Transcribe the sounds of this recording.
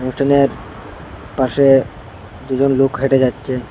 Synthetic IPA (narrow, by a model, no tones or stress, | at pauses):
osʈʰaneɾ | paʃe | d̪ud͡ʑonlokɦeʈed͡ʑatːɕʰe